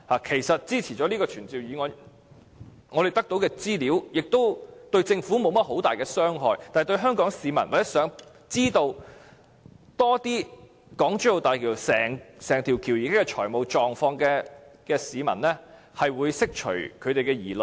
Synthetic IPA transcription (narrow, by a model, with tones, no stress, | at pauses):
haː˨kʰe˨˩jsɐ˨t̚t͡siː˥t͡sʰiː˨˩t͡ʃɔː˨˥liː˥kɔː˧t͡ʃʰyː˨˩nt͡siː˨wjyː˨˧ŋɔː˨˧ | ŋɔː˨˧ɾe˨˩jt̪ɐ˥k̚t̪o˨˥wkɛː˧t͡siː˥liː˨˥wjɪ˨k̚t̪o˥wt̪ɵ˧ɥt͡sɪ˧ŋfuː˨˥mo˨˧wmɐ˥t̚ɦo˨˥wt̪aː˨jkɛː˧sœː˥ŋɦɔː˨˧jt̪aː˨jt̪ɥɦœː˥ŋkɔː˨˥ŋsiː˨˧mɐ˨˩nwa˨˩jɐ˥sœː˨˥ŋ | t͡siː˥t̪o˧w | t̪ɔː˥t̪iː˥ | kɔː˨˥ŋt͡ʃy˥o˨˧wt̪aː˨jkʰi˨˩sɛː˨˩ŋsɛː˨˩ŋt̪ʰi˨˩wkʰiː˨˩wjiː˨kaː˥kːɛ˧t͡ʃʰɔ̰ː˨˩jmo˨wt͡ʃɔː˨ŋfɔː˧ŋkɛː˧kɛː˧siː˨˧mɐ̰˨˩nlɛː˥ | hɐ˨jwuː˨˧jsɪ˥k̚t͡ʃʰɵ̰˨˩kʰɵ˨˧t̪e˨jkɛː˧jiː˨˩lɵ˨˩